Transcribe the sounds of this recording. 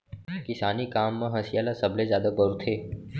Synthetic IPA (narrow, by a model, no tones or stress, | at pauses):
kɪsaːnikaːmːãɦɐsijaːlasɐblezjaːd̪aɡɔɾt̪ʰeː